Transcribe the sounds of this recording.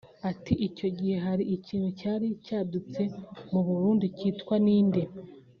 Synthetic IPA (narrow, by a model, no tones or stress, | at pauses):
atiʔico̞ɟihe̞ɦaɾiʔicʰiːnhucaːɾicaːdut͡se̞muβuɾuːndiciːtkwaniːnde